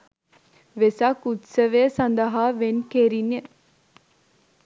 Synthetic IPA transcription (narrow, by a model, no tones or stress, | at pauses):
ʋesɐkut̪səʋeəsɐnd̪əɦaːʋenkeɾine